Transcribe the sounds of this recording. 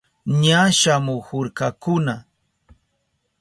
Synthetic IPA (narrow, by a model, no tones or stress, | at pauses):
ɲaʃamʊhʊɾkakʊna